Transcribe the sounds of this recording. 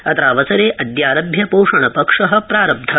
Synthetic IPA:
ɐt̪ɾaːʋɐsɐɾeːʔɐd̪jaːɾɐbʱjɐpoːʂɐɳɐpɐkʂɐɦɐ̆pɾaːɾɐb̚d̪ʱɐ

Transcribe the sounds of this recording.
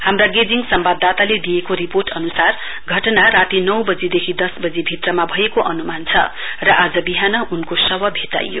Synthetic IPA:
hamraɡed͡ziŋsʌmbad̪ːat̪aled̪ijekoriporʈʌnusar | ɡʱʌʈʌnaɾat̪inʌwbʌd͡zid̪ekʰid̪ʌsbʌd͡zibʱit̪rʌmabʱʌekoʔʌnumant͡sʰʌ̰ | rʌʔad͡zʌbiɦanʌʔunkosʌbʌbʱit̪a̰jo̰

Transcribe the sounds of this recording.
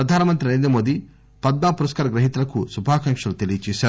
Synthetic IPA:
pɾɐd̪ʱaːnɐmɐnt̪ɾiɐeːnd̪ɐmoːd̪i | pɐd̪̚maːpuɾɐskaːɾɐɡɾɐɦit̪ulɐkusubʱaːkɐŋkʂɐlut̪elijɐt͡ʃɛːʃaːɾu

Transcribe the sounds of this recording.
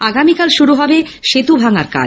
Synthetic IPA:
aɡamikalʃuɾuɦɔbeʃet̪ubʱaŋaɾka̰

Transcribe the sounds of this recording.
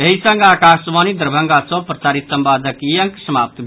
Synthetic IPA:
eɦisɐŋɡaːkaːsʋaːnid̪əɾbʱɐŋɡat͡sõpɾɐt͡saːɾit̪sɐmpaːd̪ʱəkijəŋksɐmaːp̚t̪bʱ

